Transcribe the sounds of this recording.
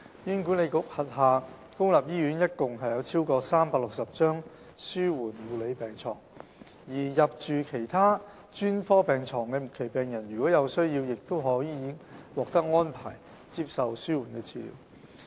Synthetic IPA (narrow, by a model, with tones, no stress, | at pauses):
ji˨˧nku˨˥ne˨˧jkʊ˨k̚hɐ˨t̚ɦaː˨ | kʊ˥ŋlaː˨p̚jiː˥jyː˨˥njɐ˥t̚kʊ˨ŋɦɐ˨jɐ˨˧wt͡sʰiː˥wkɔː˧saː˥mpaː˧˥k̚lʊ˨k̚sɐ˨p̚t͡ʃœː˥ŋ | syː˥wuː˨˩nwuː˨˧le˨˧jpɛː˨˩ŋt͡ʃʰɔː˨˩ŋ | jiː˨˩jɐ˨p̚t͡ʃyː˨kʰe˨˩jt̪ʰaː˥ | t͡ʃyː˥nfɔː˥pɛː˨˩ŋt͡sʰɔː˨˩ŋkɛː˧mʊ˨˩t̚kʰe˨˩jpɛː˨˩ŋjɐ˨˩njy˨˩kɔː˨˥jɐ˨˧wsɵ˥ɥji˧wjɪ˨k̚t̪o˥wɦɔː˨˥jːi˨i˨˧wɔː˨k̚t̪ɐ˥k̚ŋɔː˥npʰa̰ː˨˩j | t͡si˧p̚sɐ˨wsyː˥wuː˨˩nkɛː˧t͡sʰiː˧lḭː˨˩w